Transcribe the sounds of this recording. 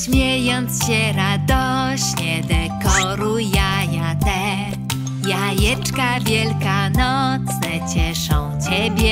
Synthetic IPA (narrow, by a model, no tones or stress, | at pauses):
ɕmʲjɛjɔnt̪sɕɛɾad̪ɔɕɲɛd̪ɛkɔɾujajat̪ɛ | jajɛt͡ʂkavʲjɛlkanɔt̪snɛt͡ɕɛʂɔ̃w̃t͡ɕɛbʲjɛ